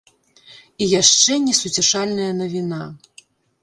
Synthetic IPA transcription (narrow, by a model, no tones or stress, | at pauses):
ijaʂt͡ʂɛnʲɛsut͡sʲɛʂalʲnɐjɐnɐvʲina